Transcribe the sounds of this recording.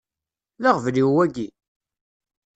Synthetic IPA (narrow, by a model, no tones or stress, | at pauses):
laʁvliwwæɡi